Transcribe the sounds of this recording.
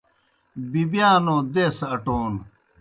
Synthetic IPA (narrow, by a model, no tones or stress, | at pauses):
bibjaːnõːd̪eːsɐʈoːn